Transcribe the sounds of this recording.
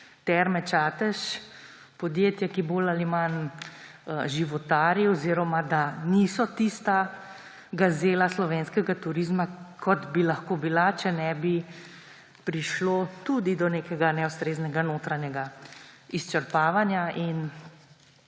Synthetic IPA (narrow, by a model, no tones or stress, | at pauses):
t̪ɛɾmɛt͡ʃaːt̪ɛʃ | pɔd̪jet̪jɛkibolaliman | ʒiʋɔt̪aːɾjiɔziɾɔmad̪anisɔt̪ist̪a | ɡazeːlaslɔʋeːnskɛɡat̪uɾizmakʰɔt̪bilɐxkoːbilat͡ʃɛnɛbi | pɾiʃloːt̪ud̪id̪ɔnekɛɡanɛust̪ɾeːznɛɡanoːt̪ɾanjɛɡaist͡ʃɛɾpaːʋanjain